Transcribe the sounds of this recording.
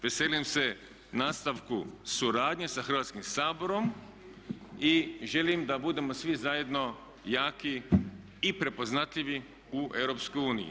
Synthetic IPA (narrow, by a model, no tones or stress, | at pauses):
ʋe̞seːlimse̞ | naːst̪aʋkusuɾaːd̪ɲesaxr̩ʋaːt̪skimsaːbo̞ɾo̞m | iʒe̞limd̪abud̪e̞mosʋizajed̪no̞ | jaːki | ipɾe̞po̞znat̪ʎʲiʋi | uʔe̞wɾopskojuːnḭjḭ